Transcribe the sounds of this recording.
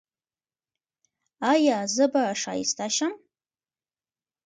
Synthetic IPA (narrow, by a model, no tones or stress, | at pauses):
ajaːzɨbaʂa̰ḭstʰaʃam